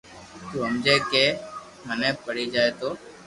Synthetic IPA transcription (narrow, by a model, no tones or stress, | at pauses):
t̪uːɦəmd͡ʒeːkeː | mənẽːpəɽiːd͡ʒaːeːt̪oː